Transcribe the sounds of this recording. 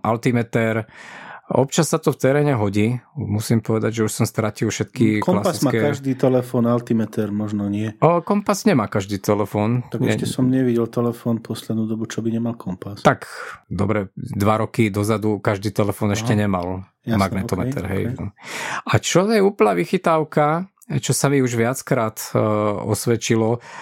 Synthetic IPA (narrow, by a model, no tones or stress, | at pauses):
ʔalt̪imɛt̪ɛɾ | ɔ̰pt͡ʃasːat̪ɔft̪ɛɾɛːɲɛɦɔɟiːmusimpɔʋɛd̪aɟʒɛuʃsɔmst̪ɾacilfʃɛt̪kiklassikɛaʒd̪iːt̪ɛlɛfɔːnalt̪imɛt̪ɛɾmɔʒnɔɲɪɛəkɔmpasɲɛmaːkaʒd̪iːt̪ɛlɛfɔːnt̪aɡɛɛʃɛsɔmɲɛʋiɟɛlt̪ɛlɛfɔːnpʰɔslɛd̪nud̪ɔbut͡ʃɔbiɲɛmalkʰɔmpast̪akd̪ɔ̰bɾɛd̪ʋaɾɔkid̪ɔzad̪ukaʒd̪iːt̪ɛlɛfɔːnɛʃcɛɲɛmal | maɡnɛt̪ɔmɛ̰t̪ɛ̰ɾɦɛ̰j | at͡ʃɔjɛuːpl̩naʋixit̪aʊka | t͡ʃɔsamiuʒʋɪat͡skɾaːt̪ɔ̰sʋɛt͡ʃilɔ